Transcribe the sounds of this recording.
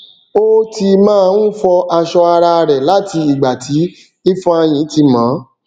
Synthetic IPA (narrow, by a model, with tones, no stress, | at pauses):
o˦ti˧mãː˦˧˦n̩˦fɔ˧ʔa˧ʃɔ˧a˧ɾa˧ɾɛ˨la˦ti˧i˨ɡ͡ba˨tʰi˨˦ | i˦fɔ̃˦a˧j̃ĩ˨˦ti˧mã˨˦